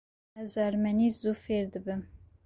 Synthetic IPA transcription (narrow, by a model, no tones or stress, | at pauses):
ɛzɑɾmɛnizufeɾd̪ɨbɨm